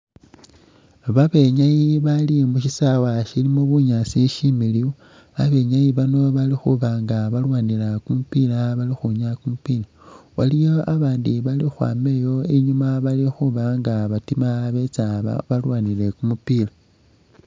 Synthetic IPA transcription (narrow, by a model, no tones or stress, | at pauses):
βaβe̞ɲajiβalimuʃisawaʃilimoβuɲasiʃimiliwu | aβe̞ɲajiβano̞βalixuβaŋɡaβalwaːnilakumupilaβalixuɲakumupila | walijo̞aβaːndiβalixwa̰ːme̞jo̞iɲumaβalixuβaŋɡaβatimaβe̞t͡saβa̰βalwaːnile̞kumupila